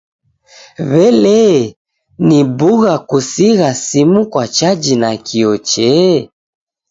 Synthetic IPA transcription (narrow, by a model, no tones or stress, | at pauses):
βɛlɛ | nibuɣakusiɣasimukwat͡ʃad͡ʒinakʰiɔt͡ʃɛ